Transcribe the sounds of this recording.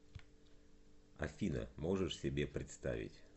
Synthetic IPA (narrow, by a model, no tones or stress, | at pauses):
ɐ̰fʲinə̰mo̞ʐɨʂsʲɪbʲe̞pɾʲɪt̪st̪a̰vʲɪ̰tʲ